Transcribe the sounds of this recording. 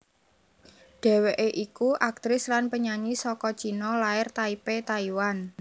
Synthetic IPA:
d̥ɛ̤weʔeʔikuʔak̚t̪ɾɪslanpəɲaɲisɔkɔ̥t͡ʃi̤nɔlaɪrt̪aipet̪aiwan

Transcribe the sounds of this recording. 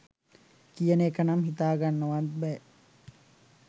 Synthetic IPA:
kijənekɐnɐmɦit̪aːɡanːəʋat̪̚bɛ

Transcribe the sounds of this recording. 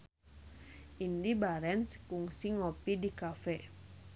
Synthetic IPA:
ʔindibaɾɛnsə̥kuŋsiŋopidikafɛ

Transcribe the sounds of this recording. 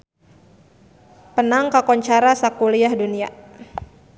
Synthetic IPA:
pənaŋkakɔɲt͡ʃaɾasakuliahdunia̰

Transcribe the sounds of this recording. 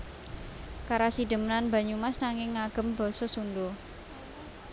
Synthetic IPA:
kaɾasid̪̥ə̤mnanba̤ɲumasnaŋɪŋːaɡ̥ə̤mb̥ɔ̤sɔsunɖo

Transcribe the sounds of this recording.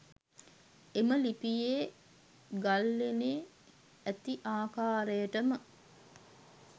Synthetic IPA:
eməlipijeː | ɡalːeneː | æt̪iʔaːkaːɾəjəʈəmə

